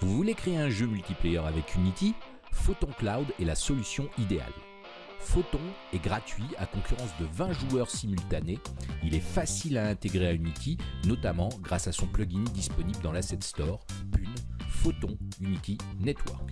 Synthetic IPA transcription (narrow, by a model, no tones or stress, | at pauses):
vuvulekχeeɛ̃ʒømylt̪iplejœʁavɛkʰynit̪i | fot̪ɔ̃klawd̪ɛlasɔlysjɔ̃id̪ea̰l | fot̪ɔ̃ɛɡʁat̪ɥia̰kɔ̃kʲyʁɑ̃sd̪əvɛ̃ʒuœʁsimylt̪aneilɛfasilaɛ̃t̪eɡʁeaynit̪ʰinɔt̪amɑ̃ɡʁasasɔ̃plɔɡʲind̪ispɔnibld̪ɑ̃lasɛt̪st̪ɔʁpynfot̪ɔ̃ynit̪inɛt̪wœ̰ʁk